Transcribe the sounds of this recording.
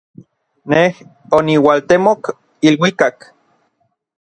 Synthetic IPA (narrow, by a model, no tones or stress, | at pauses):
neh | oniwalt̪emok | ilwikak